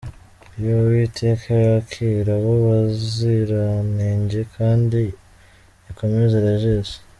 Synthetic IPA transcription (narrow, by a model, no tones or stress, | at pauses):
jowitʰe̞ːkʰajakʰiɾaβoβaziɾaneːɲɟekʰaːndi | iko̞mezeɾaʒeze